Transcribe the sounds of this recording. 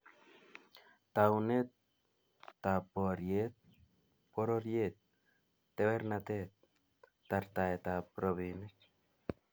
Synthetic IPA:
t̪awnet̪ː | apoɾjet̪̚ | poɾoɾjet̪̚ː | eβeɾnat̪et̪ː | aɾt̪aet̪apɾoβinet

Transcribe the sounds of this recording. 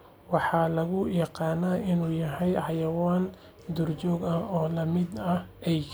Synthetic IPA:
wɑħɑːlɐɣʊjɑqɑːnaːʔɪnuːjɐɦɛjʕɑjɐwaːn | d̪ʊrt͡ʃɔːɡɐɔːlɐmɪd̪ɐʔɛj

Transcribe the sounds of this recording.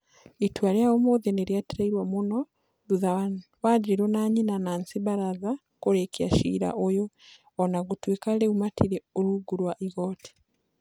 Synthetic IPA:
itwaɾiaomoðeneɾjateɾaiɾwamuno | ðuðawaɟɾiɾonaɲinanaːnsiβaɾaða | koɾekia̰ʃḭɾa̰ʔojoː | naɡutweːkaleumatʰiɾeoɾuɡuɾwaʔiɣoti̥

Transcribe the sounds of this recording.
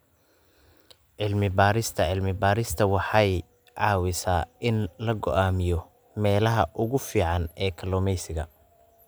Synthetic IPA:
ʕɪlmɪbaːɾɪst̪ʰɐʕɪlmɪbaːɾɪst̪ʰɐwɑħɑj | ʕɑːwɪsaːɪnlɐɡɔ̰ʔaːmɪjɔ | mɛːlɐɦɐʔʊɣʊfiːʕɑnɛːkʰɐlɔːmɛjsɪɣɐ

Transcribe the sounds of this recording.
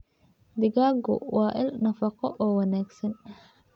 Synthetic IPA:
d̪ɪɡaːɡɔ̰wɑːʔɪlnɐfɑqɔʔɔːwɑnaːɡsɐn

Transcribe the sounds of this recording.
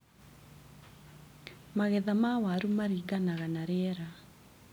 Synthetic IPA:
maɣɛðamawaɾumaɾiɡanaɣanaɾeɛɾa

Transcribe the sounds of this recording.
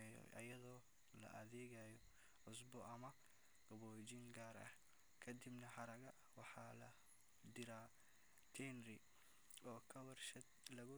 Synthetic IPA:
ʔɐ̰jɐðɔː | lɐ̰ʔɐ̰ðɛːɣajɔ | ʕʊsbɔʔɐmɐ | ɡɐβɔːd͡ʒɪŋɡaːɾɐ̰h | kʰɐd̪ɪbnɐħɑɾɐɣɐ | wɑħɑːlɐ | d̪ɪɾaː | t̪ʰɛnrɪ | ɔːkʰɐwɐrʃɐ | lɐɣʊ

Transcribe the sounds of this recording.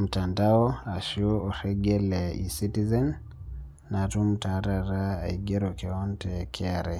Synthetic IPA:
m̩tandaɔaʃuɔsɛɡɛlɛḭsitizɛnː | atum̩taɾaɾa̰ːiɡɛɾɔkɛɔntʰɛkʰɛaɾɛ

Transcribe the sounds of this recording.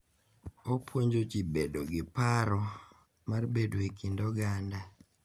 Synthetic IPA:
opwoɲd͡ʒot͡ʃibedoɡɪpaɾɔ | marbedwekindɔɡanda

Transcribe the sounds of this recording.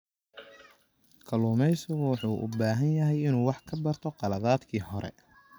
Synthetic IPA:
kʰɐluːmɛjsʊwɑħuːʔʊ̰baːɦɐnjɐɦɛjɪnuːwɑħkʰɐbɐrt̪ʰɔqɑlɐðaːd̪kʰiːhɔɾɛ̰

